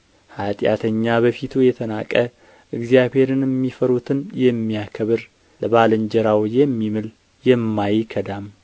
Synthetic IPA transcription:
hat̪ʼja̰t̪ʰəɲːaβəfit̪ʰujɛt̪ʰənakʼə | ʔɨɡzijaβhe̞ɾɨnɛmːifəɾut̪ʰɨnjɛmːijakʰəβɨɾ | ləbalɨɲd͡ʒɛɾawjɛmːimɨl | jɛmːajkʰəd̪am

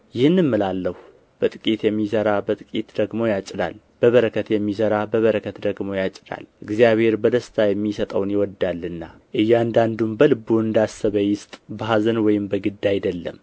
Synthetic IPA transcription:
jɪhɨnːɨmːɨlalːəhu | b̥ət̪ʼɨkʼit̪jɛmːisəɾabət̪ʼɨkʼit̪d̪̥əɡmo̞jat͡ʃʼːɪd̪a̰l | b̥əβəɾəkʰət̪jɛmːisəɾabəβəɾəkʰət̪d̪əɡmo̞jat͡ʃʼːɪd̪a̰lʔɨɡzijaβhe̞ɾbəd̪əst̪ʰajɛmːisət̪ʼəwnjɪwɔd̪ːalːɨnːa | ʔɨjːand̪and̪umbəlɨbːuɨnd̪asːəβəjɪst̪ʼbəɦazənwɔjɪmbəɡɨd̪ːajɪd̪əlːə̰m

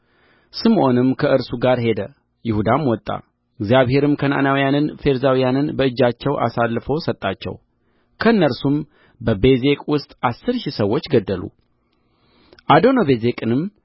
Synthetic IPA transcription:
sɨmʔo̞nɨmkʰəʔɨɾsuɡaɾɦe̞d̪ə | jɪhud̪amwɔt̪ʼːa̰ | ɨɡzjaβhe̞ɾɨmkʰəna̰nawijanɨnfe̞ɾzawijanɨnbəɨd͡ʒːat͡ʃːɛwʔa̰salːɨfo̞sət̪ʼːat͡ʃːɛ̰w | kʰəɨnːəɾsum | bəbe̞ze̞kʼwʊst̪ʼasːɨɾʃisəwːo̞t͡ʃːɡəd̪ːəlṵ | ʔad̪o̞noβe̞ze̞kʼɨnɨm

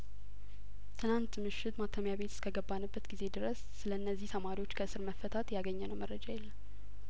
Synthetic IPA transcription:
t̪ʰɨnant̪mɨʃːɪt̪mat̪ʰːəmjaβe̞t̪skʰəɡəbːanəbːət̪ɡize̞d̪ɨɾəsːɨləɨnːəzːiht̪ʰəmaɾiwo̞t͡ʃːkʰəɨsɨɾməfːət̪ʰat̪jaɡəɲːɛnəwmərːəd͡ʒajɛlːən

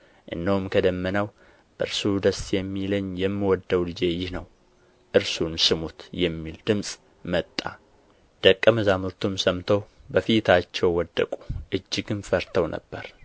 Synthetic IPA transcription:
ʔɨ̰nːəhumkʰəd̪əmːənaw | b̥əɨɾsud̪əsjɛmːiləɲjɛmːiwɔd̪ːəwlɨd͡ʒejɪhnəw | ʔɨɾsunsɨmut̪jɛmːild̪̥ɨmsʼ | mət̪ʼːa̰ | d̪̥əkʼːəməzamuɾt̪ʰumsəmt̪ʰəwbəfit̪ʰat͡ʃːɛwːɔd̪ːə̰kʼuʔɨd͡ʒːɪɡɨnfəɾt̪ʰəwnʔə̰bːəɾ

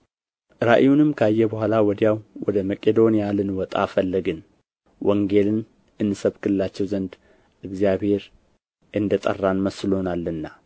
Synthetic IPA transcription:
ʔɨɾaʔjjunɨmkʰəajːɛbəhʷalawɔd̪ijawwɔd̪əməkʼed̪o̞nijalɨnwɔt̪ʼa̰fəlːəɡɨn | wʔɔŋɡe̞lɨn | ʔɨnːɨsəβkʰɨlɨlat͡ʃːɛwzənd̪ | ɨɡzijaβhe̞ɾ | ʔɨnd̪ət̪ʼə̰rːanməsɨlo̞nalːɨnːa

